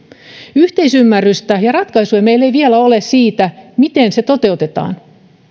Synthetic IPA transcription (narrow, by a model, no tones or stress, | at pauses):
yht̪e̞isymːærːyst̪æjɑrɑt̪kɑjsujmejlːe̞jʋielæo̞lessiːt̪æmit̪e̞nse̞t̪o̞t̪e̞ut̪et̪ɑ̰ːn